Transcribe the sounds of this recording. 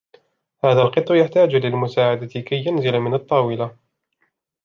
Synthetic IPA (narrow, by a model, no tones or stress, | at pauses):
haːðalqɨt̪ˤːjaħt̪aːd͡ʒlɪlmʊsaːʕad̪at̪ɪkajːʊnzɪlmɪnɑt̪ˤːɑːwɪla